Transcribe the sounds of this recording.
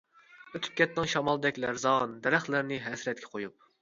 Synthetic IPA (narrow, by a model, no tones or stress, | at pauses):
øt̪ʰy̥p̚kʲɛt̪nɪŋʃɑmɑlˠd̪ɛkʲlæɾzɑnd̪ɛɾɛχlæɾnɪɦɛsɾɛt̪̚kʲʰɛ̥qʰojup̚